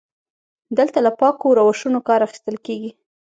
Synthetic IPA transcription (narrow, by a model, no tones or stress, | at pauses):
d̪əlt̪alapɑkoɾawaʃunokɑɾaxi̥st̪əlkeɡi